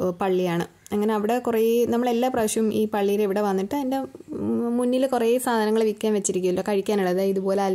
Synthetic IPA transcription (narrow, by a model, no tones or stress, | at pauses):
pɐɭːijaːɳɨ | ɐŋːɐne̞ɐʋiɽe̞kureːinɐmːɐɭe̞lːaːprɐʋɐɕɐumʔiːpɐɭːijileʋiɽe̞ʋɐnːiʈːɨɐðinde̞ | munːilkureːjisaːd̪ʱɐnɐŋːɐɭʋikʲːaːnʋet͡ɕːiɾikʲːumilːoːkɐɻikʲːaːnuɭːɐðaiðupo̞ːleaː